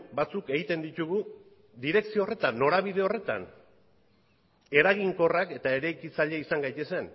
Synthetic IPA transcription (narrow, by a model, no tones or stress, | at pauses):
bat͡suke̞ɣit̪e̞nd̪it̪uɣu | d̪iɾe̞ksioore̞t̪anːo̞ɾaβ̞ið̞e̞o̞re̞t̪a̰n | e̞ɾaɣ̞iŋko̞rake̞t̪ae̞ɾajkit͡saʎeisaŋɡajt̪e̞se̞n